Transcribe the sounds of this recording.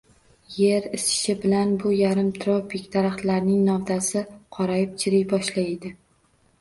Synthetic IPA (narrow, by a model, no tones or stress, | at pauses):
je̞ɾɪsɪ̥ʃɪbɪlanbʊjaɾɪmt̪ʰɾopʰɪkʲd̪aɾaχt̪laɾnɪŋnɒwd̪asɪqʰɒɾajɪp̚t͡ʃʰɪɾɪjbɒʃlajed̪ɪ